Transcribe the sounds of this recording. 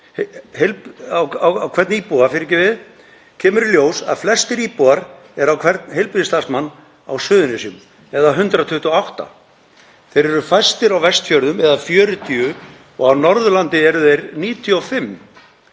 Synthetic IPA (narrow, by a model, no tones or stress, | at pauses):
hhejlawawawkʰvɛɾt̪niːpuafɪɾɪcɪvɪð | cʰɛːmʏɾljoːwsa̰ðflɛst̪ɪɾiːpuaɾ | ɛɾawkʰv̥ɛɾt̪nɦejlpɾiðɪst̪asmanː | a̰wsʏːðʏnɪsjʏm | ɛðaɦʏnt̪ɾat̪ʰʏht̪ɔawht̪a̰ | θejɾɛɾʏfajst̪ɪɾawvɛst̪fjœɾðʏmɛðafjœːɾʏt̪ʰiʏ | ɔɣawnɔɾðʏlant̪ɪɛɾʏðejɾniːt̪ʰjʏɔfɪmː